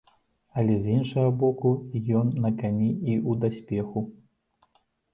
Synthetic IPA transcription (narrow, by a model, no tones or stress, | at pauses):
ɐlʲɛzʲinʂɐɣɐbɔkujɔnːɐkanʲiiud̪asʲpʲɛxu